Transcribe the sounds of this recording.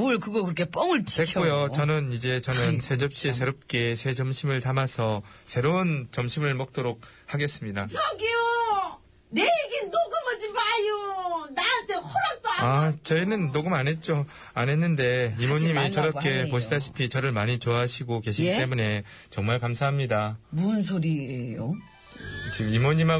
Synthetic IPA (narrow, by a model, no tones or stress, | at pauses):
uɭkɯɡʌkɯɾʌkʰep͈ʌŋɯɭt͡ɕʰi̥ekkojot͡ɕʌnɯnid͡ʑe̞t͡ɕʌnɯnsʰe̞d͡ʑʌp̚ɕ͈iesʰe̞ɾop̚k͈e̞sʰe̞d͡ʑʌmɕʰimɯɭtamasʰʌ | sʰe̞ɾont͡ɕʌmɕʰimɯɭmʌk̚t͈oɾok̚ | haɡe̞s͈ɯmɲidat͡ɕʌɡio | neeɡinːoɡɯmʌd͡ʑimajonatehoɾap͈aat͡ɕʌinɯnːoɡɯmane̞t̚t͡ɕ͈o | ane̞nːɯnde̞imoɲimit͡ɕʌɾʌk͈e̞poɕʰidaɕʰi̥pʰit͡ɕʌɾɯɭmaɲit͡ɕoaɦɕʰiɡoke̞ɕʰiɡit͈e̞mune̞ | t͡ɕʌŋmaɭkamsʰaɦamɲidamuʌnsʰoɾiejo | t͡ɕimimoɲima